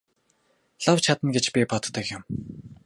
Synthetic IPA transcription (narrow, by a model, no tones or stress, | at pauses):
ɮawt͡ɕʰat̪ə̆nɡet͡ɕpʲipɔt̪ːə̆kjʊm